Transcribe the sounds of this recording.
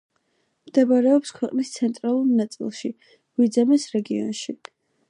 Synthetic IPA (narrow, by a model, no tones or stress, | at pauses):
md̪̥ɛbaɾɛɔpskʰwɛqʼnist̪sʰɛnt̪ʼɾalˠuɾnat̪sʼḭlˠʃi | ɡ̥wid̪zɛmisɾɛɡiɔ̰nʃi